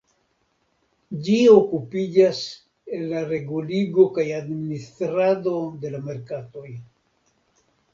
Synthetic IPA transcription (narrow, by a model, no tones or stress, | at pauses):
d͡ʒio̞kupid͡ʒas | e̞nːaɾe̞ɡuliɡo̞kajadministɾado̞de̞lame̞ɾkato̞j